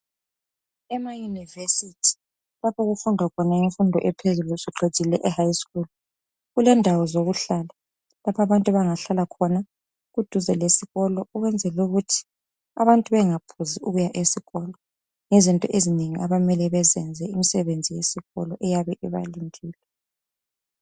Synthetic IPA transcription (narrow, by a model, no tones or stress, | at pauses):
ɛmajunivesitʰi̥ | lapʰɔɣufundʱakʰɔnaiɱfundʱɔʔɛpʰezulusiǁʰe̥ʒ̥ʱilɛʔɛhajskʼul | ɣulɛndʱawɔzoɣuɬala | lapʰaβantʼuβaŋaɬalakʰɔna | ɣud̥ʱuzɛlesiɣɔlɔuɣwɛnd͡zʱɛluɣutʰi̥ | aβantʼuβɛŋapʰuziuɣujaʔesiɣɔlɔ | ŋɛzintʼɔʔezineŋiʔaβamɛlɛβɛzɛnd͡zʱɛimisɛβend͡zʱijesiɣɔ̰lɔʔɛjaβɛʔɛβa̰liŋɡiːlɛ